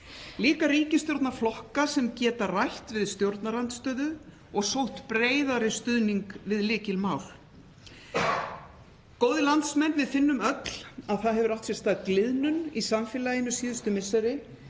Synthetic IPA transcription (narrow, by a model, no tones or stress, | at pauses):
liːkaɾriːcɪst̪jowɾt̪naflɔhkasɛmcɛːt̪arajht̪vɪðst̪jowɾt̪naɾant̪st̪œːðʏ | ɔɣsowht̪pɾeːjðaɾɪst̪ʏðniŋkvɪðlɪːcɪlmaːwl̥ | koːwðɪlant̪smɛnːvɪðfɪnːʏmœt̪l̥aðθaðɦɛvʏɾawht̪sjɛst̪aːðklɪðnʏnisamfɪːlajɪnːʏsiːðʏst̪ʏmɪsaɾɪ